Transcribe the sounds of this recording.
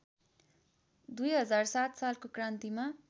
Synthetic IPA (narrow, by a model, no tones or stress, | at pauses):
d̪ujɦʌd͡zarsat̪salkokrãnt̪ima